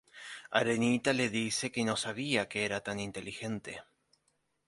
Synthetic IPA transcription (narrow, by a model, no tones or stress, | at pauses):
a̰ɾe̞nit̪ale̞ðise̞keno̞saβ̞iakeeɾat̪anint̪e̞lixe̞nt̪e̞̰